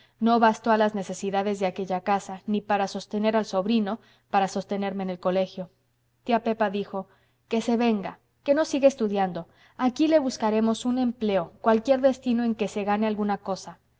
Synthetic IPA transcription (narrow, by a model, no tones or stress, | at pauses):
no̞βast̪oalazne̞se̞siðaðe̞zðe̞ake̞ʝakasanipaɾaso̞st̪e̞ne̞ɾalso̞βɾino̞ | paɾaso̞st̪e̞ne̞ɾme̞ne̞lko̞le̞xjo̞ | t̪jape̞paðixo̞ | ke̞se̞βe̞ŋɡa̰ | ke̞no̞siɣeːst̪uðjand̪o̞ | akile̞βuskaɾe̞mo̞sune̞mple̞o̞kwalkje̞ɾðe̞st̪ino̞e̞ŋke̞se̞ɣane̞alɣunako̞sa